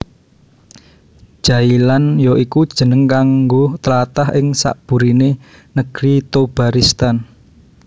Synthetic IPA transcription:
ʒ̥äilanjɔʔikud̥ʒ̥ə̤nəŋkaŋɡot̪əlat̪ahɪŋsa̰ʔb̥ṳɾine | nəɡ̥ɾit̪ob̥a̤ɾist̪an

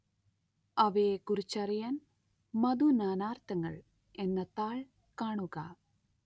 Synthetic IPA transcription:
ɐʋeːkurit͡ɕːɐrijaːn | mɐd̪unaːnaːrt̪ɐŋːɐ̰ɭ | enːɐt̪aːɭ | kaːɳuɣɐ

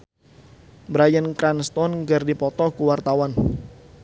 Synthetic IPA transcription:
bɾajənkɾanst̪ɔnŋɡərdipɔt̪ɔkuwart̪awan

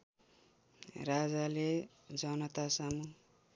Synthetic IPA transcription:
rad͡zale | d͡zʌnʌt̪asamu

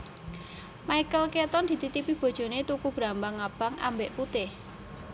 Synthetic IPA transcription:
maikəlket̪ɔnd̪̥i̤t̪it̪ipib̥o̤d̥ʒ̥o̤net̪ukub̥ɾambaŋab̥a̤ŋʔa̰mbeʔput̪ɪh

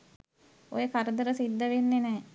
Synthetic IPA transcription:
o̰jəkaɾəd̪əɾəsid̪ːəʋenːenɛː

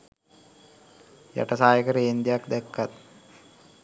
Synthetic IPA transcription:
ja̰ʈəsaːjəkəɾəend̪ijakd̪ɛkːat̪̚

